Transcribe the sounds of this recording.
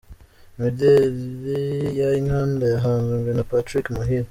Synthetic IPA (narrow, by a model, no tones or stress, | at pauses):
midelβijajiŋhaːndejaɦaːnzuŋɡenapatɾikmuɦil